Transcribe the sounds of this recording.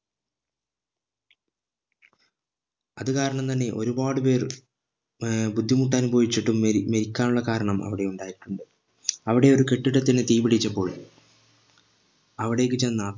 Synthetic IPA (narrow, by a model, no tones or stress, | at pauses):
ɐðɨkaːɾɐɳɐmt̪ɐnːe̞ʔo̞ɾubaːɽɨpe̞ːr | bud̪ʱːimuʈ̬ːaːnubʱɐʋit͡ɕːiʈːummeɾikʲːaːnuɭːɐkaːɾɐɳɐmʔɐ̰ʋiɽe̞uɳɖaːjiɾiʈːuɳɖɨ | ɐʋiɽe̞o̞ɾuke̞ʈːiɽɐt̪ːinɨt̪ijbiɽit͡ɕːɐpːo̞ːɭ | ɐʋiɽe̞jk̬ːɨt͡ɕenːa